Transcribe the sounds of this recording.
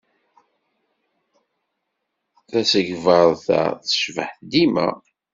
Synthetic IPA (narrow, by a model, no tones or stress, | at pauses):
θæsəʝvəɾˤθæ̰θə̥ʃvəħd̪imæ̰